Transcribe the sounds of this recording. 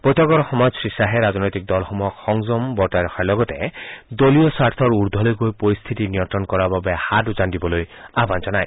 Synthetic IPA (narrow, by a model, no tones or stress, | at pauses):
pojt̪ɔɡɔɾɔxɔmɔd͡ʒsɹisaɦeɾaznɔjt̪ik̚d̪ɔlxɔmuɔkxɔŋzɔmbɔɾtajɾɔxʰaɹlɔɡɔt̪ed̪oliɔsaɾt̪ʰɔɹuɾd̪ʱɔlojɡojpɔɾist̪ʰit̪inijɔnt̪ɾɔnkɔɾababehadud͡ʒandibɔlojaband͡ʒɔnaj